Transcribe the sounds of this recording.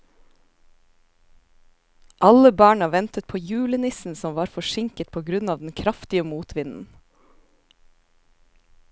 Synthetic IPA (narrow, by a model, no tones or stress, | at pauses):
ʔɑləbɑːɳɑʋɛnt̪ət̪̚pʰoːjʉːlənɪsn̩sɔmʋɑːɾfɔʃɪŋkət̪̚pʰoːɡɾʉnɑːʋd̪n̩kʰɾɑft̪ɪəmuːt̪ʰʋɪnn̩